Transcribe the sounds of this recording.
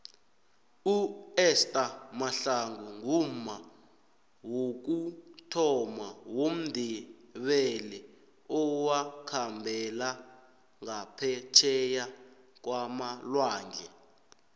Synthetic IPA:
uɛstʼamaɬaŋɡuŋuma | wok̬utʰɔmawom̩dʱiɓɛlɛ | ɔwakʰambʱɛla | ŋapʰɛt͡ʃʰɛja | k̬wamalwaːŋd͡ɮʱɛ

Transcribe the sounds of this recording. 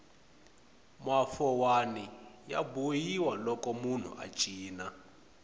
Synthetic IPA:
mafɔwanija̰bujiwalɔkɔmun̤ṵʔa̰t͡ʃʼiːna

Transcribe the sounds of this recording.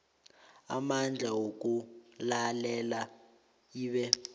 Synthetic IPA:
amand͡ɮʱawok̬ʼulalɛla | iːɓɛ

